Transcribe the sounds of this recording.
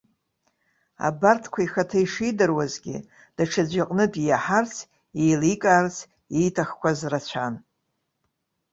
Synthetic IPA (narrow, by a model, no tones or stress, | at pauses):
a̰bartʰkʷʰaiχatʰaiʂidɨrwazɡʲɪ̰ | d̥aʈ͡ʂʰad͡ʒʷaqʼnɨtʼijaħart͡sʰ | ejlikʼaːrt͡sʰ | jejtʰaχkʷʰazrat͡ɕʷʰan